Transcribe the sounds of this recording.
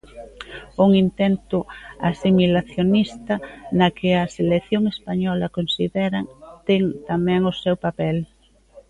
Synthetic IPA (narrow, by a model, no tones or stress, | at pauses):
ʊŋint̪ɛnt̪ʊasimilaθjonist̪ɐnɐkɪɐseleθjoŋespaɲɔlɐkonsiðɛɾɐŋt̪ɛŋt̪amɛ̃ŋʊsɛwpapɛl